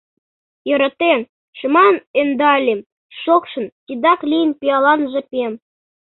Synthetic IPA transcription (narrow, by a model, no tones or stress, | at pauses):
jɤ̆ɾɑt̪en | ʃmɑnend̪ɑlʲem | ʃokʃɤ̆ntʲid̪ɑklʲijənpʲijɑlɑnʒĕpʲem